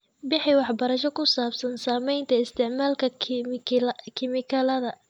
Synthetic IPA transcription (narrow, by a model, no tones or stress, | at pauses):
bɪħɪwɑħbɐɾɐʃɔkʰʊsaːbsɐnsaːmɛjnt̪ʰɐɪst̪ʰɪʕmaːlkʰɐ | kʰɪmɪkʰɐlɐðɐ